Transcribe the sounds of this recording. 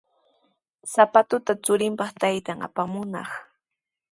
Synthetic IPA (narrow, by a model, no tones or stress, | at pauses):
sapat̪ʊt̪at͡sʊɾɪmpɑχt̪ajt̪aŋa̰pamʊnɑ̰χ